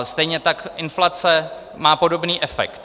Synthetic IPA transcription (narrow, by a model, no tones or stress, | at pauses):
st̪ɛjɲɛt̪akʔɪnflat͡sɛ | maːpo̞do̞bniːʔɛfɛ̰kt̪